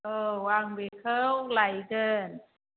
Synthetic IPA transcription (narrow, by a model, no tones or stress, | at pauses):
ʔɤːwaːŋbekʰɤːwlajkɤːn